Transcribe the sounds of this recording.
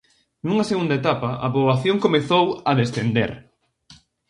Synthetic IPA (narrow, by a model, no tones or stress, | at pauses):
nuŋɐseɣund̪ɐet̪apɐɐpoβaθjoŋkomeθowɐðest̪end̪ḛɾ